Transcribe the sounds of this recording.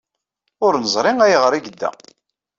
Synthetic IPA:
ʊɾnəzˤɾˤɪŋæjʁɾiɡəd̪ːæ̰

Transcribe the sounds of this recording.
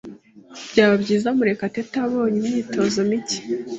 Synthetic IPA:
b̥ɟaːβabɟiːzamuɾe̞katetaβo̞ːɲimniːtʰo̞zomici̥

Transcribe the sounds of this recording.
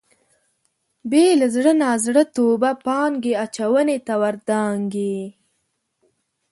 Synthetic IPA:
belazɽənɑzɽət̪obapɑŋɡeat͡ʃawənet̪awaɾd̪ɑŋɡe

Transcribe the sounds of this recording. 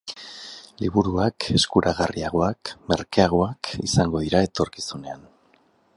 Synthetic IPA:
liβuɾuakʰe̞skuɾʔaɣariaɣ̞o̞akme̞̰ɾkeaɣ̞o̞akḭsaŋɡo̞ð̞iɾae̞t̪o̞ɾkisune̞an

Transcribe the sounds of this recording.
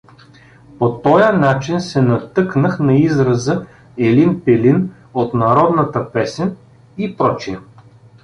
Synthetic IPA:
pot̪ɔjənat͡ʃinsɛnɐt̪ɤknəxnɐizɾɐzə | ɛlinpɛlin | ot̪nɐɾɔd̪nɐt̪əpɛsɛn | ipɾɔt͡ʃiə

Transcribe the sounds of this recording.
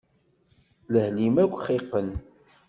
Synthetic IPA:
ləhlimækʷːχiqːən

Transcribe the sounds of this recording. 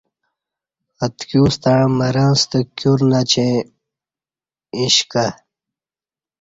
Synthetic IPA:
ɐt̪kjuːst̪aɻãmɐɾãːst̪əkjuɾnat͡ɕʰẽ | ĩɕka

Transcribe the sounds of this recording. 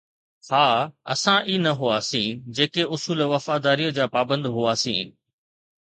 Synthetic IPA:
haːɐ̰sãʔiːnɐɦʊaːsĩːd͡ʑeːkeʔʊsuːlʋɐfaːd̪aːɾiːəd͡ʑaːpaːbə̃nd̪ɦʊaːsḭ̃ː

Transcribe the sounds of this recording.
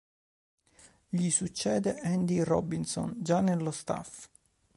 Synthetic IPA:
ʎisut͡ʃːɛːd̪eʔɛnd̪irɔ̰bːinsɔ̰nd͡ʒanelːost̪a̰f

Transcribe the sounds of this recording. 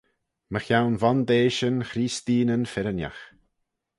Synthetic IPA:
məxjawnvand̪eːʃənxɾiːst̪iːnənfɛɾənja̰x

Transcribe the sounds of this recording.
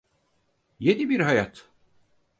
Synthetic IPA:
je̞nibiɾɦajat̪

